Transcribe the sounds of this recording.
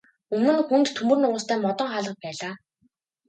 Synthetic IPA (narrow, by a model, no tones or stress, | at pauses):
ɵmnɘ̆nxunt̪t̪ʰːɵmɵ̆rnʊːst̪ʰæːmɔt̪ɞ̆ɴχaːɮʁə̆q̚pæːɮaː